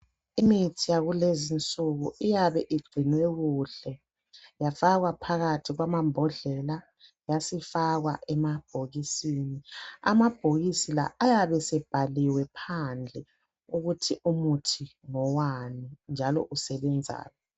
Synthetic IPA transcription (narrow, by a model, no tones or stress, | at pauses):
imitʰijaɣulezint͡sʼuɣuijaβɛʔiɡ͡ǀʱinwɛɣuɬɛ | jafaɣwapʰaɣatʰiɣwamambʱɔɮɛla | jasifaɣwa̰ʔɛmab̥ʱoɣisiːnia̰mab̥ʱoɣisila̰ʔːjaβɛsɛb̥ʱaliwɛpʰand͡ɮʱɛ | uɣutʰiʔumutʰiŋɔwanind͡ʒʱalɔ̰ʔusɛβɛnd͡zʱa̰ːjɔ